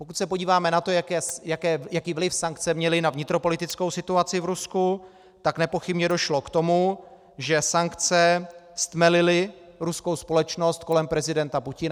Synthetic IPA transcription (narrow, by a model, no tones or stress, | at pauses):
pokut̪sɛpo̞ɟiːvaːmɛnat̪o̞jakɛːjakɛːjakiːvlɪfsaŋk̚t͡sɛmɲɛlɪnavɲɪt̪ɾo̞po̞lɪt̪ɪt͡sko̞wsɪt̪uat͡sɪvɾusku | t̪aknɛpo̞xɪbɲɛdo̞ʃlo̞kt̪o̞mu | ʒɛsaŋkt͡sɛst̪mɛlɪlɪɾusko̞wspo̞lɛt͡ʃno̞st̪̚ko̞lɛmpɾɛzɪdɛnt̪apucɪna